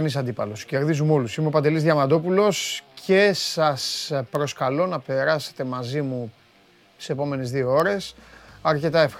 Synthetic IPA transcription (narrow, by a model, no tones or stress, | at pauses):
nisɐnd̪ipɐlo̞sce̞ɾðizumo̞lusimeo̞pɐnd̪e̞lizðʝɐmɐd̪o̞pulo̞scʰe̞sɐspɾo̞skɐlo̞nɐpe̞ɾɐse̞̥t̪e̞mɐzimu | seepo̞me̞nezðio̞o̞ɾe̞sɐɾce̞t̪ɐe̞f